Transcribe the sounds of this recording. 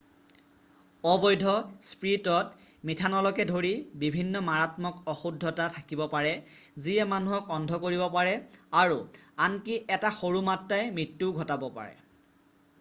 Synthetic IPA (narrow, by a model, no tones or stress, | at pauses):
ɔbɔjdʱɔspɹitɔtmitʰanɔlɔkɛdʱoɹibibʱinːɔmaɹatmɔkɔxudʱːɔtatʰakibɔpaɹɛziɛmanuɦɔkɔndʱɔkoɹibɔpaɹɛaɹuankiʔɛtaxoɹumatːajmitːuɡʱɔtabɔpa̰ɹɛ̰